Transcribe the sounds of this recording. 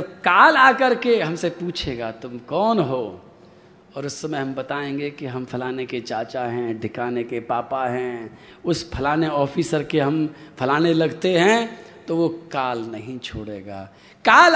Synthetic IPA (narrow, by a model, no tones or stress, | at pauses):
ɐkaːlaːkɐɾkeɦɐmsepuːt͡ʃʰeːɡaːt̪ʊmkɔːnɦoː | ɔːɾʊsːɐmɛɦɐmbɐt̪aːẽːŋɡekiɦɐ̃mpʰɐlaːneket͡ʃaːt͡ʃaɦɛ̃ɖʱɪkaːnekepaːpaɦɛ̃ | ʊspʰɐlaːneɔːfiːsəɾkeɦɐmpʰɐlaːnelɐɡt̪eɦɛ̃t̪oʋokaːlnɐɦĩt͡ʃʰoːɽḛːɡa̰ː | kaːl